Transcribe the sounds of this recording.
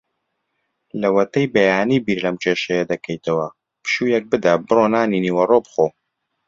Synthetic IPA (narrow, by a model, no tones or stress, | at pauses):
lɐwɐt̪ɐjbɐjaːnibiːɾlɐmt͡ʃʰeːʃɐjɐd̪ɐkʰɐjt̪ʰɐwɐ | pɨ̥ʃuːjɛk̚bɨd̪abɨroːnaːniniːwɐrobχoː